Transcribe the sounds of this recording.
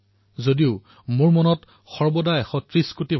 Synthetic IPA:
zodiʊ | mʊɹmɔnɔt | xɔɹbɔdajɛxɔtɹiskutibʱ

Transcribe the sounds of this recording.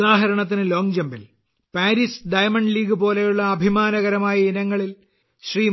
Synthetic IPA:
aːɦɐɾɐɳɐt̪̬ːinɨlo̞ːŋd͡ʑɐmbil | paːɾisɖɐjmɐɳɖliːɡɨpo̞ːlejuɭːɐːbʱimaːnɐɣɐɾɐmaːjɐinɐŋːɐɭil | ɕriː

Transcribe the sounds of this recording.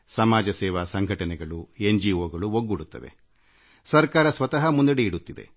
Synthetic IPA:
sɐmaːd͡ʒɐsɛːʋasɐŋɡʱɐʈɐnɛɡɐɭuend͡ʒioːɡɐɭuɦoɡːuɽut̪ːɐd̪e̞̰ | sɐɾkaːɾɐsʋɐt̪ɐɦɐmund̪ɐɽeiɽut̪ːid̪e̞̰

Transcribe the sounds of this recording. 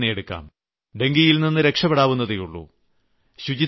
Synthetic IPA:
nejeɽukːa̰ːm | ɖe̞ŋɡijilninːɨɾe̞kʂɐbɐɽaːʋunːɐðejuɭːṵ | ɕud͡ʑi

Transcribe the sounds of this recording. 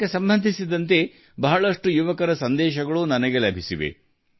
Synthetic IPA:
esɐmbɐnd̪ʱisid̪ɐnt̪e̞ | bɐɦɐɭɐʂʈujuʋɐkɐɾɐsɐnd̪ɛːʃɐɡɐɭunɐnɐɡelɐbʱisiʋḛ

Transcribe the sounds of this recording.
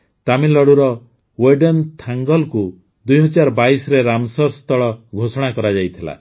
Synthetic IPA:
t̪amilɔɽuɾɔ | weɖɔnt̪ʰaŋɡɔlku | d̪ujɦɔd͡ʒaɾbaisɔɾeɾamsɔɾst̪ʰɔɭɔɡʱosɔɽ̃akɔɾad͡ʒajt̪ʰila̰

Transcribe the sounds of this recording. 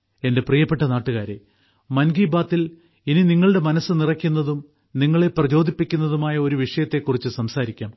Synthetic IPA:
e̞nde̞prijɐpːe̞ʈːɐnaːʈːuɣaːɾe | mɐnɡiːbaːt̪ːil | ininiŋːɐɭɨɽe̞mɐnɐsːɨnirɐkʲːunːɐðum | niŋːɐɭe̞prɐt͡ɕo̞ːd̪ʱipːikʲːun̪ːɐðumaːjɐo̞ɾuʋiʂɐjɐt̪ːe̞kːurit͡ɕːɨsɐmsaːɾikʲːaːm

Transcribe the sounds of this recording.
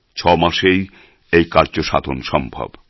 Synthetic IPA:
t͡ɕʰɔmaʃej | ejkaɾd͡ʑoʃa̰d̪ʱonʃɔmbʱa̰b

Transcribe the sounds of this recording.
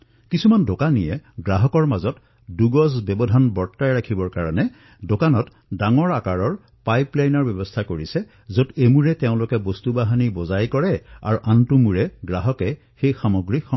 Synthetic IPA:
kisumandokanijɛɡɹaɦɔkɔɹmazɔt | duɡɔzbɛbɔdʱanbɔɹtːajɹakʰibɔɹkaɹɔnɛ | dokanɔt | daŋɔɹakaɹɔɹ | pajplajnɔɹbjɔbɔstʰakoɹisɛ | zotemuɹɛteʊ̃lʊkɛbostubaɦanibɔzajkɔɹɛa̰ɹuʔantumuɹɛɡɹaɦɔkɛ | xejxamɔɡɹixɔ

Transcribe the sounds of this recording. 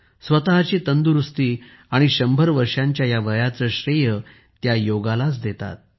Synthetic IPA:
sʋət̪aɦat͡ɕiːt̪ənd̪uɾust̪iː | aɽ̃iɕəmbʱəɾʋəɾʂjãɲt͡ɕjajaʋəjat͡səɕɾejə | t̪jajoɡalat͡sd̪et̪a̰t̪̚

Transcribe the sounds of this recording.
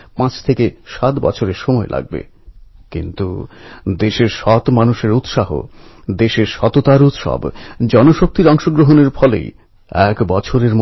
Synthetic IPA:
pãt͡ɕʰt̪ʰekeʃat̪bɔ̰t͡ɕʰoɾeɾʃɔmɔelʔa̰ɡ̚bḛ | kḭnt̪ud̪eʃeɾʃɔt̪manuʃeɾut̪ʃaɦo̰d̪eʃeɾʃɔt̪ot̪aɾut̪ʃɔ̰bd͡ʑɔnoʃok̚t̪iɾɔŋʃoɡɾoɦoneɾfɔlḛj | ɛkbɔt͡ɕʰoɾeɾm

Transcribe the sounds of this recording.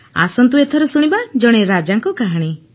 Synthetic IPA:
a̰sɔnt̪uet̪ʰɔɾɔsuɽ̃ibad͡ʒɔɽ̃eɾad͡ʒaŋkɔkaɦaɽ̃i

